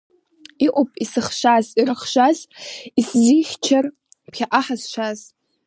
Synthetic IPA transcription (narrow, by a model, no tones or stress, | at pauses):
iʔʷʼopʼisɨχʃʷazirɨχʃʷazisziχʲt͡ʃʰar | pʰχʲaʔaħazʃʷaz